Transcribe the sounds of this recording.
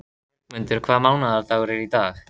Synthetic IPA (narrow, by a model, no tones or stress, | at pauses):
məndɪrkʰvamawnardawɾiɾidaːχ